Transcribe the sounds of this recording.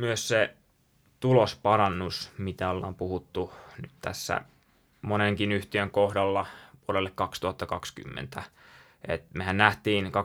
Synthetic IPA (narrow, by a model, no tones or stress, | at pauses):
myøsse | t̪ulospɑrɑnːusmit̪æolːɑ̰ːmpuhut̪ːunyt̪t̪æ̰sːæ̰ | moneŋkinyht̪iøŋkohdɑlːɑʋuoɾelːekkɑkst̪uhɑt̪ːɑkɑksky̰mːḛnt̪æ | ḛt̪mehænnæht̪iːnkɑ